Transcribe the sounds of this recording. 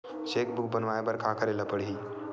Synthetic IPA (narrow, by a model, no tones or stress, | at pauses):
ɕek̚buk̚bənʋajebəɾkʰakəɾeləpəɽɦiː